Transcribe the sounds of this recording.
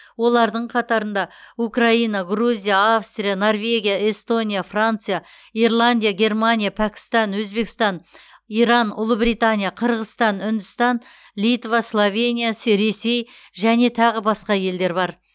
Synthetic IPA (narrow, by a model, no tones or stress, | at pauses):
wo̞lˠɑɾd̪əɴqʰɑt̪ɑɾənd̪ɑukraijnaɡruzʲijaafst̪rʲijano̞rvʲe̞ɡʲijae̞st̪o̞nʲijafrant̪sɨja | irlˠanʲd̪ʲijaɡʲe̞rmanʲijapʰakʲɪ̥st̪ɑnwɵzbe̞kɪst̪ɑn | iɾɑnʊ̰lˠəbɾijt̪anʲijaqʰəɾʁəst̪ɑnʏnd̪ɪst̪ɑn | lit̪vaslˠovʲe̞nʲijasɾe̞se̞j | ʒæne̞t̪ʰɑʁəbɑsqɑje̞ld̪e̞ɾbɑɾ